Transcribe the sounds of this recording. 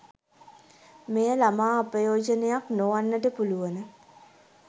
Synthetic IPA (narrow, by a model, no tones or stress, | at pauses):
mejəlamaːɐpəjoːd͡ʒənejaknoʋanːəʈəpuluʋənə